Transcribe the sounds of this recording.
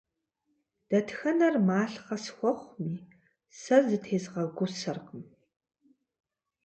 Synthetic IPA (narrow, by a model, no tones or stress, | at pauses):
d̥ɐtʰxɐnɐrmaːɬqɐsxʷɔχʷmiː | sɐzɨtʰeːzʁɐɡʷʊsɐrqəm